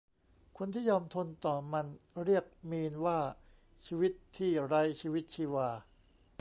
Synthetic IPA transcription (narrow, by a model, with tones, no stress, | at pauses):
kʰo˧nt̪ʰiː˥˩jɔː˧mt̪ʰo˧nt̪ɔː˨˩ma˧nɾi˥˩ək̚miː˧nwaː˥˩ | t͡ɕʰiː˧wi˦˥t̪ʰːiː˥˩ɾa˦˥jt͡ɕʰiː˧wi˦˥t̪̚t͡ɕʰiː˧waː˧